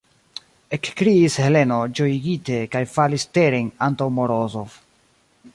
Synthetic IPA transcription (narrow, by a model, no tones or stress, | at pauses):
ekkɾiːshe̞le̞no̞d͡ʒo̞iɡite̞kajfaliste̞ɾenantawmoɾozof